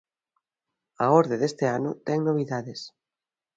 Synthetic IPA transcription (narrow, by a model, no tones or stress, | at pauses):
aoɾðeðest̪eanot̪ɛŋnoβ̞iðaðes